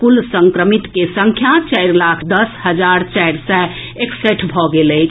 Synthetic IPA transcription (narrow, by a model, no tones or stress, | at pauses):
kulsə̃ŋkɾəmit̪kesə̃ŋkʰjat͡ʃajɾlakʰd̪əsɦəd͡ʒaɾt͡ʃajɾsɛ | ekseʈʰbʱɔɡeləjt͡ʃʰ